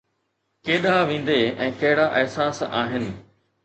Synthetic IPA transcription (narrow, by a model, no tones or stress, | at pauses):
keːɗaʋẽːn̆d̪eɛ̃ːkɐɦɪɽaʔɪɦsaːsa̰ːɦɪnɪ̆